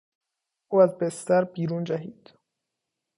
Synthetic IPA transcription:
ʔuːæzbest̪æɾbiːɾuːnd͡ʒæɦiːd̪̥

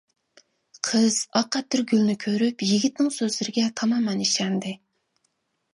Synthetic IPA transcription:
qʰəz̥ɑqʰːɑt̪̚d̪ɪɾɡʲylnɪkʲʰøɾypjiɡʲit̪nɪŋsøzlɪɾɪɡʲɛt̪ʰɑmɑmɛniʃɛnd̪ɪ

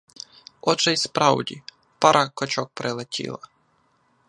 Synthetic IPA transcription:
ɔt͡ʃaispɾawd̪ʲi | paɾʔakɔt͡ʃɔk̚pɾɛlˠɛt̪ʲʰḭlˠa̰

